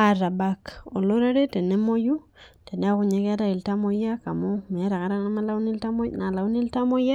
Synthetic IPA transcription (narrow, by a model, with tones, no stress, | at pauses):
a˨ɾa˨bako̰˨lo˦ɾe˦ɾe˦te˨ne˦mo˦ju˦te˨ne˦a˦ku˨ɲe˦ka˦ta˦i˨lta˦mo˦ja˦ka˨mo˦me˨a˦ɾa˨ka˨ɾa˦na˦ma˦la˦u˦ni˦lta˦mo˦na˨la˨u˦ni˦lta˦mo˦ja˦